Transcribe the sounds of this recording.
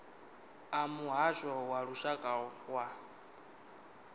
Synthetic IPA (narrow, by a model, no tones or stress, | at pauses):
amuɦaʃɔwaɺuʃakʼawa